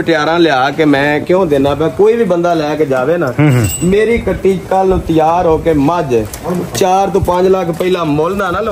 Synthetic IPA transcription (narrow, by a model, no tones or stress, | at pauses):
əʈɪjaːɾãːlɪaːkemɛ̃ːkjõːd̪enãːpɛ̃ːkoːiːbiːbənd̪aːlɛːked͡ʒaːʋeːnaːmeːɾiːkəʈːiːd͡ʒkəlnũːt̪ɪjaːɾɦoːkeːməd͡ʒ | t͡ʃaːɾt̪õːpəɲd͡ʒləkʰpəiːlãːmoːlnd̪aːnaːl